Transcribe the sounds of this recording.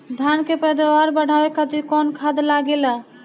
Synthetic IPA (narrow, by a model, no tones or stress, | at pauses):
d̪ʱankepəjd̪awaɾbəɽ̤ʱawekət̪ikɔnkʰad̪laɡela